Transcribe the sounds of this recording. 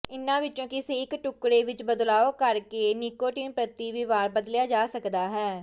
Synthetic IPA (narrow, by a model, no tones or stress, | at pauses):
ɪnːãːʋɪt͡ʃːõːkiseːkʈʊkɽeːʋɪt͡ʃbəd̪laːoːkəɾkeːnɪkoːʈiːmpɾət̪iːʋiːʋaːɾbəd̪ljaːd͡ʒaːsəkd̪aːɦɛː